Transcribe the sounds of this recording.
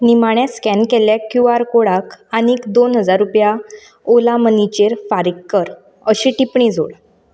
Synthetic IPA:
nimaɳjãskɛ̃nkɛljakjuaɾkoɽakaniːkd̪onɦəd͡zaɾːupja | olamənit͡ɕeɾfaɾikːəɾ | əɕiʈipɳĩd͡zʱo̰ɽ

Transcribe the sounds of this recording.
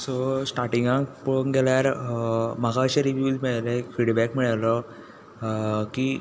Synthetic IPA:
sɔsʈaɾʈiŋɡãkpəɳɡeljaɾ | maɡaəɕeɾiʋjud͡zmiɭalekfiɽbækmiɭalə | kiː

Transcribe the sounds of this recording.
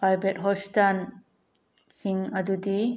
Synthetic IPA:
ajbɛt̚ɦɔstan | hiŋɐd̪ud̪i

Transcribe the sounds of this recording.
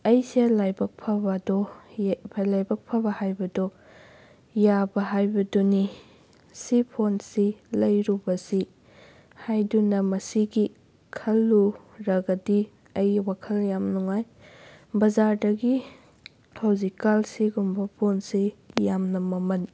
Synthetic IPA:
ɐjselajbɐk̚pʰɐbɐdɔbɐlajbɐk̚pʰɐbɐhajbɐdɔ | jabɐɦajbɐdɔni | sipʰonsilɐjɾubɐsi | hajdunɐmɐsiɡi | kʰɐlːu | ɾɐɡɐdi | ɐjwakʰɐljamnuŋaj | bɐzaɾdɐɡi | kʰawzikalsiɡumbɐpʰonsijamnɐmɐmɐn

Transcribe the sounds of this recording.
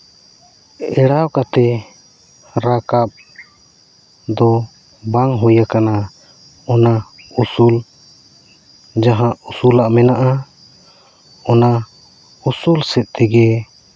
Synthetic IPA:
ɛɽawkat̪ɛ | ɾakap̚ | d̪ɔ | baŋɦujakana | ɔnausul | d͡ʒaɦãusulaʔmɛnaʔa | ɔna | usulsɛt̪̚ˀt̪ɛɡɛ

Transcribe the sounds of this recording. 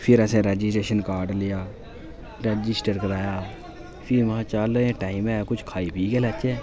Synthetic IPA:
pʰɪɾəsẽːɾɛːd͡ʒɪsʈɾeːʃənkaːɾɖlɪjaː | ɾɛːd͡ʒɪsʈəɾkəɾaːjaː | pʰiʋãːt͡ʃaːləẽːʈaːimɛ̃ːkʊt͡ʃʰkʰaːiːpiːkeːlɛt͡ʃɛː

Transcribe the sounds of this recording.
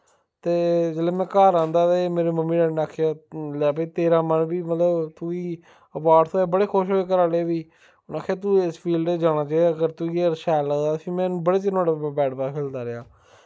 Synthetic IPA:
t̪eːd͡ʒeːleːmɛ̃ːkaːɾãːnd̪aːt̪eːmeːɾeːməmːiːɖɛːnaːkʰejaːlɛːpeiːt̪eːɾãːmənbiːmət̪lət̪uiː | əpaːɖt̪ʰoːeːbəɽeːkʰʊʃɦoːeːk̬əɾaːleːʋiː | naːkʰeaːt̪̬uɪspʰiːlɖed͡ʒaːnãːt͡ʃaːiaːəɡəɾt̪uiːɾʃɛːlaːd̪aːsĩːmɛ̃ːnũːbəɽeːt͡ʃɪnoːɽabɛːʈbaːkʰɪld̪aːɾɪaː

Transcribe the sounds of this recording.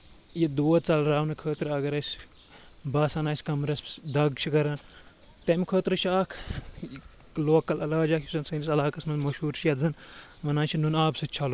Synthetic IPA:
jid̪oːt̪t͡sɐlɾaːwnɨkʰəːt̪ɾɐɡɐɾɐsʲ | bɐːsɐnaːsʲkɐmɾɐsd̪ɐɡt͡ʃʰikɐɾɐːn | t̪ɐmikʰəːt̪ɾɨt͡ʃʰaːkʰ | loːkɐlɐlaːd͡ʒaːkʰjisɐnsɐnisɐlaːkɐsmɐnmɐʃuːɾt͡ʃʰijɐzɐnʋɐnaːnt͡ʃʰinunaːbsɨt͡ʃʰɐlu

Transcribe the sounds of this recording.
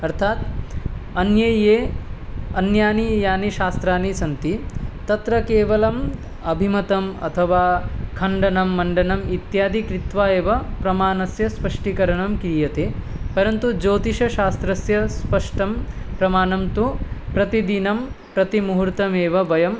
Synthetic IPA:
ɐɾt̪ʰaːt̪ | ɐnjɐeː | ɐnjaːnijaːniʃaːst̪ɾaːnisɐnt̪it̪ɐt̪ɾɐkeːʋɐlɐm | ɐbʱimɐt̪ɐmɐ̰t̪ʰɐʋaːkʰɐɳɖɐnɐmːɐɳɖɐnɐmit̪jaːd̪ikɾit̪ʋaːeːʋɐpɾɐmaːnɐsjɐspɐʂʈikɐɾɐɳɐmkɾiːjɐt̪eːpɐɾɐnt̪ud͡ʒoːt̪iʃɐʃaːst̪ɾɐsjɐspɐʂʈɐmpɾɐmaːnɐmt̪upɾɐt̪id̪inɐm | pɾɐt̪imuɦuɾt̪ɐmeːʋɐbɐjɐm

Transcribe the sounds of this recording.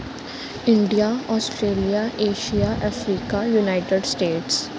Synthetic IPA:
ɪ̃ɳɖijaɔːsʈɾeːlijaʔeːʃijaʔɛfɾiːkajunaːɪʈeɖsʈeːʈs

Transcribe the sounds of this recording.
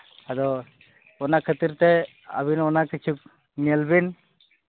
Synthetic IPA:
ad̪ɔ | ɔnakʰət̪iɾt̪ɛ | ə̰binɔnakit͡ʃʰuk̚ | nɛlbin

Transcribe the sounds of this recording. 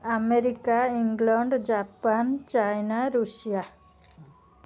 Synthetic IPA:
ameɾikaiŋɡlɔɳɖd͡ʒapant͡ʃajnaɾusija

